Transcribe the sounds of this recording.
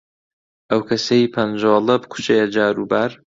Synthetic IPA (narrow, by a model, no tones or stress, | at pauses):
ʔɐwkʰɐsɐjipʰɐnd͡ʒoːlˠɐbɨkʰu̥t͡ʃed͡ʒaːɾubaːɾ